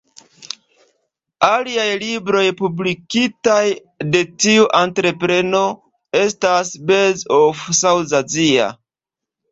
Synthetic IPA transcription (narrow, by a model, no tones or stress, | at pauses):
aliajlibɾo̞jpublikitaj | de̞tiuʔantɾe̞pɾe̞no̞ | e̞stasbe̞zofsawzazia̰